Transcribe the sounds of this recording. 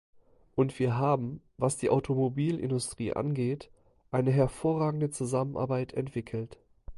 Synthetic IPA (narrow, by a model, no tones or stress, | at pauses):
ʔʊntv̥iːɐɦaːbm̩ | vasd̥iːʔaʊtʰomobiːlʔɪ̰ndʊstʁ̥ḭːʔa̰nɡeːt | ʔaɪnəɦɛɐfoːɐʁaːɡŋ̩dət͡suzamənʔa̰ːɐbaɪtʰɛ̰ntv̥ɪkʰl̩t